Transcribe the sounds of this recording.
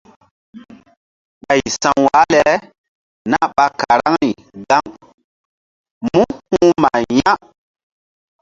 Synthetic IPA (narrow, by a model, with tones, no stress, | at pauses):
ɓa˨jsã˨ŋwa˨˦lɛ˨˦ | na˦ɓa˧ka˨ɾa˦ŋni˨ | ɡa˦ŋ | mũ˦hũː˦ma˨ja˦